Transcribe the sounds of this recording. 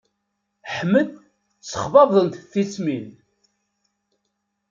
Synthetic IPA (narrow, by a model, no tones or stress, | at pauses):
ħmːəd̪ | t͡sːə̥χvɑvðˤənt̪θit͡smin